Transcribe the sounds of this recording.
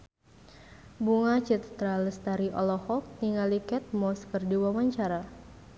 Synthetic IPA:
buŋat͡ʃɛt̪ət̪ɾaləst̪aɾiʔɔ̰lɔhɔk̚niŋalikɛt̪̚mɔskərdiwamaɲt͡ʃaɾa

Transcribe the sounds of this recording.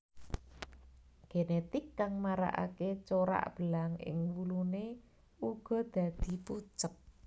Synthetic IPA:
ɡ̥enet̪ɪkːaŋmaɾa̰ʔa̰ket͡ʃoɾa̰ʔb̥əlaŋɪ̰ŋwulune | uɡ̥ɔ̤d̪̥ä̤d̪̥i̤put͡ʃəp̚

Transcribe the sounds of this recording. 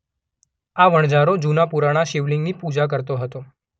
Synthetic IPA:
aʋəɽ̃d͡ʑaɾod͡ʑunapuɾaɽ̃aʃiʋliŋɡniːpud͡ʒak̬əɾt̪oɦət̪o

